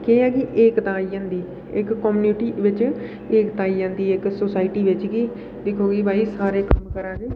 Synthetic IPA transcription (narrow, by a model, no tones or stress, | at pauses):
keːaːkiʔeːkt̪ãːiːd͡ʒãːnd̪iː | ɪkːɔːmuːnuʈiːʋɪt͡ʃ | ɪkt̪ãːiːd͡ʒãːnd̪iːɪksoːsaːɪʈiːʋɪt͡ʃkiː | d̪ɪkʰoːɡiːbʱaːiːsaːɾeːkəmkəɾãːɡeː